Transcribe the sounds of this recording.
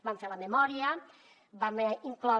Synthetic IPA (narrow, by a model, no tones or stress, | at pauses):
bamfeɾamemɔɾja | bamiŋklɔ